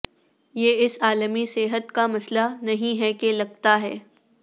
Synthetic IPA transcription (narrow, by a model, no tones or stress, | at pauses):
jeːɪsaːləmiseːɦət̪kamɐslanɐɦĩɦɛkelɐɡt̪aɦɛː